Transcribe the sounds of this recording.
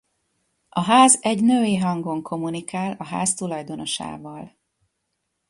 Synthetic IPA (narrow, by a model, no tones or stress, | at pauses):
ʔɒɦaːzɛɟnøːeːɦɒŋɡo̞ŋkʰo̞munikaːlɒɦaːzt̪ulɒjd̪o̞no̞ʃa̰ːvɒl